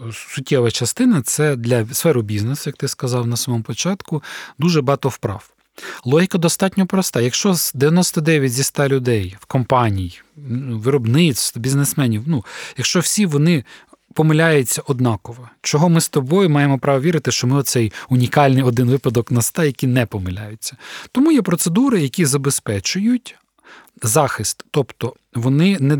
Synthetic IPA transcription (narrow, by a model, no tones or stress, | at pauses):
sʊt̚ʲːɛʋɐt͡ʃɐst̪ɪnɐt̪sɛd̪lʲɐsfɛɾʊbʲiznesʊjɐkt̪ɪskɐzɑwnɐsɐmɔmɔpɔt͡ʃɑt̪kʊd̪uʒɛbɦɑt̪ɔwpɾɑ̰w | lˠɔɦʲikɐd̪ɔst̪ɑtʲnʲɔpɾɔst̪ɑjɐkʃt͡ʃɔzd̪eʋjɐnɔst̪ɐd̪ɛʋʲjɐtʲzʲist̪ɑlʲʊd̪ɛjwkɔmpɑnʲij | ʋɪɾɔbnɪt̪st̪bʲiznesmɛnʲiwnujɐkʃt͡ʃɔwsʲiʋɔnɪ | pɔmɪlʲajʊt͡sʲːɐʔɔd̪nɑkɔʋɔt͡ʃɔɦɔmɪst̪ɔbɔjʊmɑjemɔpɾɑʋɔʋʲiɾɪt̪ɪʃt͡ʃɔmɪɔt̪sɛjʊnʲikɑlʲnɪjɔd̪ɪnʋɪpɐd̪ɔknɐst̪ɑjɐkʲinɛpɔmɪlʲa̰jʊt͡sʲːɐt̪ɔmujɛpɾɔt̪sed̪uɾɪjɐkʲizɐbespɛt͡ʃʊjʊtʲ | zɑxɪst̪ːɔpt̪ɔ | ʋɔnɪnɛ